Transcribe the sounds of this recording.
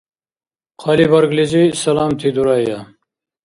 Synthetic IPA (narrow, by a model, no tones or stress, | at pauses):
qʰɑlibɐɾɡlizisɐlɑːmt̪ʰid̪uɾɑːjja